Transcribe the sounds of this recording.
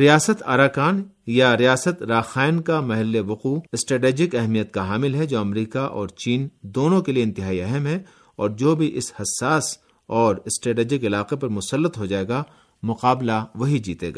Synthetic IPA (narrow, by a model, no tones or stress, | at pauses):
ɾijaːsət̪a̰ːɾaːkaːn | jaɾijaːsət̪ɾaːxaːɪnkamɐɦɪlːeʋɐquːɪsʈɾeːʈeːd͡ʒɪkɛɦmijət̪̚kaɦaːmɪlɦɛd͡ʒoːɐmɾiːkaʔɔ̰ːɾt͡ʃiːnd̪oːnõkelieɪ̃nt̪ɪɦaːiɛɦɛmɦɛ | ɔːɾd͡ʒoːbʱiʔɪshɐsːaːs | ɔːɾɪsʈɾeːʈeːd͡ʒɪkɪlaːqepɐɾmʊsəlːət̪ɦod͡ʒaːeːɡa | mʊqaːblaʋɐɦid͡ʒiːt̪ḛːɡa̰ː